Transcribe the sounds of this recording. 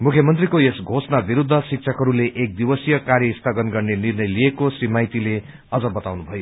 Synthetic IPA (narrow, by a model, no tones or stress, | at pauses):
mukʰjʌmʌnt̪rikoesɡʱosnabiɾud̪ʱːʌsik̚sʰʌkɦʌɾuleʔek̚d̪ibʌsijʌkaɾjʌist̪ʰʌɡʌnɡʌrnenirnʌjliekosrimajt̪ile | ʌd͡zʌbʌt̪awnubʱʌjo